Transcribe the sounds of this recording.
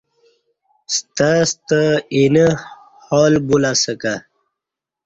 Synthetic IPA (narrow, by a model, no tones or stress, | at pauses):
st̪ast̪əinə | hɔːlbulasəka